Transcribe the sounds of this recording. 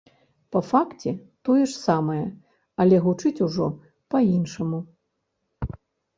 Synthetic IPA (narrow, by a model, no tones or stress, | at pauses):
pɐfakt͡sʲɛt̪ɔjɛʂsamɐjɛ | ɐlʲɛɣut͡ʂɨt͡sʲuʐɔ̰ | pɐinʂɐmu